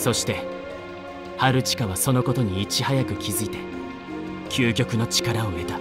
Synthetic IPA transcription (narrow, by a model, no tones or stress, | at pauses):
so̞ɕi̥t̪e̞ | haɾɯ̟t͡ɕi̥kaβ̞aso̞no̞ko̞t̪o̞ɲ̟iːt͡ɕihajakɯ̟kʲʰizɨit̪e̞ | kʲʰɨːkʲo̞kɯ̟no̞t͡ɕi̥kaɾao̞me̞t̪a